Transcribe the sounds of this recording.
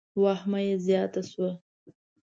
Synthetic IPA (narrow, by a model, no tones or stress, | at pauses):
wɑhmajezjɑt̪aswa